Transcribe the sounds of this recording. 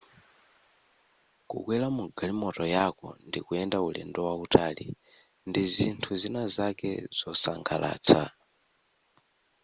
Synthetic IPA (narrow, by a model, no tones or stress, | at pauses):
kṵkwɛlamuɡalimɔtɔjakɔ̰ndikuɛndaulɛ̰ndɔwautalḭ | ndizintʰuzinazakɛ̰z̥ɔsaŋkʰala̰ːt͡sʰa